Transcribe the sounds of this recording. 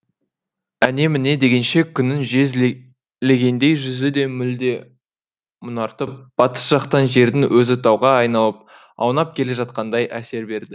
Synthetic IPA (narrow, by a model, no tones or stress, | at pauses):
æne̞mɪne̞d̪e̞ɡʲe̞nʃe̞kʲʰʏnːɪŋʒez | le̞ɡʲe̞nd̪e̞jʒʏzɪd̪e̞mʏld̪e̞ | mʊnɑɾt̪əp̚b̥ɑt̪ə̥sʒ̥ɑqt̪ɑnʒe̞ɾd̪ɪŋwʔɵzɪt̪ʰɑwʁɑɑjnɑlˠəp̚ | ɑ̰wnɑp̚kʲʰe̞le̞ʒɑt̪̚qɑnd̪ɑjæse̞ɾbe̞ɾd̪ɪ